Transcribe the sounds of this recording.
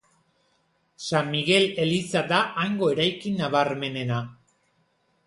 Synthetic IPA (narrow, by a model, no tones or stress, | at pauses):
samːiɣe̞le̞lisad̪aʔaŋɡo̞e̞ɾajkinaβaɾme̞ne̞na